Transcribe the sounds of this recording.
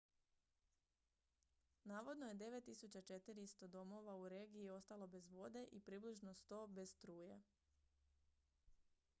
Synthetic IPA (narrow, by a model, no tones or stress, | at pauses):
naːʋo̞d̪no̞je̞d̪e̞ʋe̞t̪ːisut͡ɕat͡ʃe̞t̪iɾiist̪o̞d̪o̞mo̞ʋauɾe̞ːɡiːo̞st̪alo̞be̞zʋo̞d̪e̞ʔipɾiːbliʒno̞st̪o̞ːbe̞st̪ɾuːje